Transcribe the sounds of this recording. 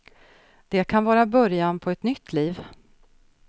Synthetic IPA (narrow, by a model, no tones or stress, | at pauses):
d̪̥ɛkʰanvɑːɾabœɾjanpʰɔɛt̪nʏt̪ʰːliːv